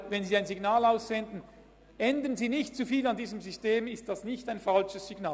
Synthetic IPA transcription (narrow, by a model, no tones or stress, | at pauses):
vɛnziːaɪnziɡnaːlaʊssɛndn̩ | ʔɛndənziːnɪçtt͡sufiːlandiːzəmzʏsteːmɪst̚d̥asnɪçtaɪnfalʃəsːiɡnaː